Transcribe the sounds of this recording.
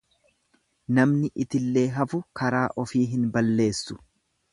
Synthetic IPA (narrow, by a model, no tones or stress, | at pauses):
nɐmnɪʔɪt̪ɪlːe̞ːɦɐfʊkɐɾaːʔɔfiːɦɪnbɐlːe̞ːsːʊ̥